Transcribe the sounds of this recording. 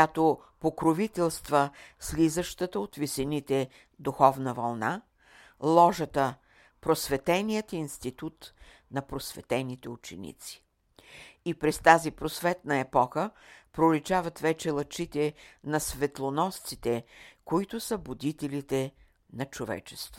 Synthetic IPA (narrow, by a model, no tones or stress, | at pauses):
at̪o | pokɾovit̪ɛlˠst̪vəslizəʃt̪ət̪əot̪visɛnit̪ɛ | d̪uxɔvnəvɐlˠna | lˠɔʒət̪ə | pɾosvɛt̪ɛnijət̪inst̪it̪ut̪ | nɐpɾosvɛ̰t̪ɛnit̪ɛʊt͡ʃɛ̰nḭt̪si̥ | ipɾɛst̪azipɾosvɛt̪̚nɐɛpɔxəpɾolit͡ʃavɐt̪vɛt͡ʃɛlˠɐt͡ʃit̪ɛnɐsvɛt̪lˠonɔst̪sit̪ɛkoit̪ʊsəbʊd̪it̪ɛlit̪ɛ | nɐt͡ʃovɛ̰t͡ʃɛ̥st̪vo̥